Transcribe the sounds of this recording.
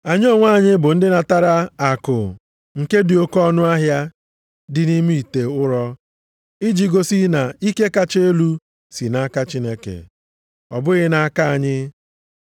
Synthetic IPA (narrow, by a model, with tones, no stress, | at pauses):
a˨ɲ˦o˦˨ŋʷa˦˨ɲɪ˦bʊ˨n̩˦dɪ˦na˨ta˦ɾa˦a˨kʊ̰˨ | ŋ̩˨ke˦di˨o˦kɔ˦nʊ˦a˦ɦja˦ | dɪ˦ni˦mi˦i˨te˨ʊ˦ɾɔ˦ | i˦d͡ʒi˨ɡo˦si˦na˨i˦ke˦ka˦t͡ʃe˦e˦lu˦ | si˨na˦ka˦t͡ʃi˦ne˦kḛ˨ | ɔ̰˨bʊ˦ɣɪ˦na˨a˦ka˦a˨ɲɪ˦